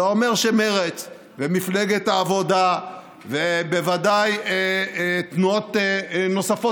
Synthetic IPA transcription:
ome̞ʁʃemeʁet͡s | vemifleɡet̪aːvo̞d̪a | vebevadajet̪nuot̪no̞safo

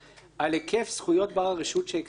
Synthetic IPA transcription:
ʔalekefsχujo̞t̚baʁaʁeʃutʃeek

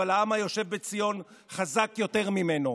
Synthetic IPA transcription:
alaamajo̞ʃe̞vbet͡sijo̞n | χazakjo̞te̞ʁmime̞no̞

